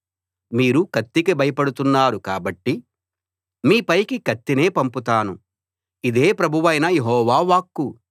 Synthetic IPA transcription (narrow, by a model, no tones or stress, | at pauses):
miːɾukɐt̪ːikibɐjɐpɐɽut̪unːaːɾukaːbɐʈːi | miːpɐjkikɐt̪ːine̞ːpɐmput̪aːnu | id̪e̞ːpɾɐbʱuʋɐjnɐjeɦɔːʋaːʋaːkːu